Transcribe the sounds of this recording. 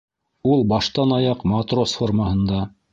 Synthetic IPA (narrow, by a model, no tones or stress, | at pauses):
ulˠbɑʃt̪ɑnɑjɑqmɑt̪rosforməhɤ̆nd̪ɑ